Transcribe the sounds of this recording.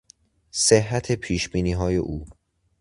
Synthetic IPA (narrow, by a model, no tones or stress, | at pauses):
seɦːæt̪ʰe̞pʰiːʃbiːniːɦɒːje̞̰ʔuː